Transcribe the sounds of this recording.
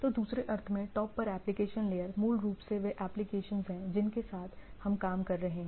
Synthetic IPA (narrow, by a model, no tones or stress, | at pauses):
t̪oːd̪uːsɾeʔɐɾt̪ʰmẽʈɔːpːɐɾɛːplɪkeːʃənleːjəɾmuːlɾuːpseʋeʔɛːplɪkeːʃənzɦɛ̃d͡ʒɪnkesaːt̪ʰhɐmkaːmkɐɾːɐɦeɦɛ̃ː